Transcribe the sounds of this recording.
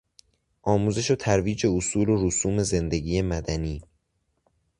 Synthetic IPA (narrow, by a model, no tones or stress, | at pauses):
ʔɒːmuːze̞ʃot̪ʰæɾviːd͡ʒeosuːloɾosuːme̞ze̞nd̪eɟiːjemæd̪æniː